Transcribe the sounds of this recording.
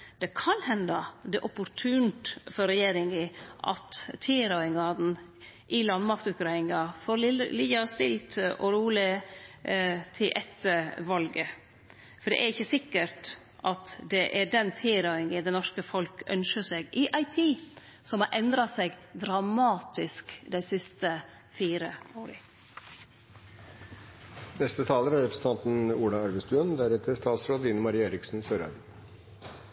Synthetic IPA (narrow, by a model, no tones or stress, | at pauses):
d̪̥ɛkʰɑnhɛnd̪ɑd̪ɛʔɔpːʊɾt̪ʰʉːnt̪fɔɾɛjeːɾɪŋəʔɑ̰t̪t̪ʰiːɾɑɪŋɑd̪n̩ | ʔɪlɑnd̪mɑkt̪ʉkɾɑɪŋɑfoːɾlliːɑst̪ɪlt̪ɔɾuːlɪ | t̪ʰɪlʔɛt̪ːəʋɑlɡə | fɔɖɛ̰ʔɛɾɪçːəsɪkːəɾt | ʔɑt̪d̪ɛʔæɖɛnt̪ʰɪːɾɑʏɪŋəd̪ɛnɔʂkəfɔlkœ̰nʃəsɛɡɪʔɑɪt̪ʰiː | sɔmhɑɾʔɛnd̪ɾɑsɛɡd̪ɾɑmɑːt̪ɪskd̪æɪsɪst̪ə | fiːɾəoːɾə̰ | nɛst̪ət̪ʰɑːləɾæɾɛpɾsn̩t̪ɑnt̪n̩uːlɑæɾʋəst̪ʉːənd̪æɾɛt̪əʂt̪ɑːt̪sɾoːd̪əiːnəmɑɾiːeːɾɪksn̩søːɾɑ̰d̪ə